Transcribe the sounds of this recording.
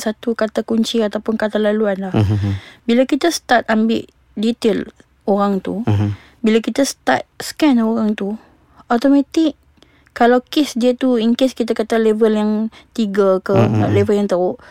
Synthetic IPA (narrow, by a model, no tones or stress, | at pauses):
sat̪ukat̪akuɲt͡ʃiat̪awpʊnkat̪alaluanlahbilakit̪ast̪at̪̚ambɪ̰ʔ | dit̪el | oɾaŋt̪u | bilakit̪ast̪a̰t̪̚skɛnoɾaŋt̪u | ot̪omãt̪ɪʔ | kːalawkesdiət̪uiŋkeskit̪akat̪alevəljaŋt̪iɡakəlevəljaŋt̪aʊʔ